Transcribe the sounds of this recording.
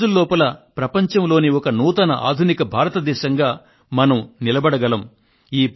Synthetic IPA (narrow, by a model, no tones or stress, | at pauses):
d͡ʒulːɔːpɐlɐpɾɐpɐɲt͡ʃɐmlo̞ːniɔkɐnuːt̪ɐnɐʔa̰ːd̪ʱunikɐbʱaːɾɐt̪ɐd̪ɛːʃɐŋɡaː | mɐnɐmnilɐbɐɽɐɡɐlɐm | iːp